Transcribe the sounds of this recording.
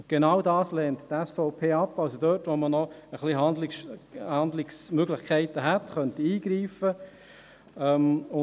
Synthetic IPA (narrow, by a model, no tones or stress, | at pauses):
ɡ̥enɑwdɑːslɛːnttɛsfɔʊpʰeːɑpːɑlsodøːtʋomənɔəχliɦɑndlɪʃhɑnd̪lɪksmøɡlɪχkʰɛɪtəɦɛt̪χœntiiːɡɾiːfə | ɛmʊ